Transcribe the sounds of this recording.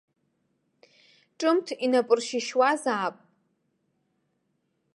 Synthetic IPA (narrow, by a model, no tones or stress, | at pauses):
ʈ͡ʂʼɨmtʰinapʼɨrʃɪʃwazaːpʼ